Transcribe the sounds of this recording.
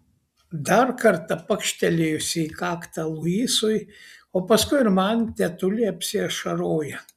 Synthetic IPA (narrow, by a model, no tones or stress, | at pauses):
d̪ɐɾkɐɾt̪ɐpɐkʃʲt̪ʲɛlʲejʊsʲɪikɑːkt̪ɐlˠʊiːsʊjoːpɐskʊɪɪɾmɐnt̪ʲɛt̪ʊlʲɪɐpʲsʲɪɛʃɐɾoːjɛ